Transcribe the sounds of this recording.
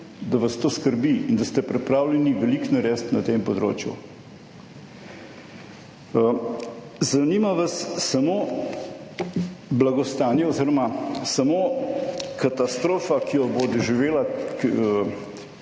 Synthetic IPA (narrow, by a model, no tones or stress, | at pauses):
d̪ɐʋɐst̪oːskəɾbiind̪ɐst̪ɛpɾɛpɾaːwlʲɛniʋɛliknɐɾɛːst̪nɐt̪empɔd̪ɾo̰ːt͡ʃjṵ | zɐnimaʋɐsːɐmoː | blaɡɔst̪aːnjɛɔziɾɔmasɐmo | kat̪ast̪ɾoːfakijɔbod̪ɔʒiʋeːla